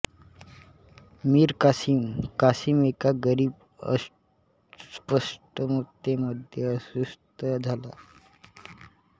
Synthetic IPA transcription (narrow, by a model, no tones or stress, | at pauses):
miːɾkasimkasiːmekaɡəɾiːb | ə̰ | spəsʈəmut̪ːeməd̪ʱjeəsust̪əd͡zʱala̰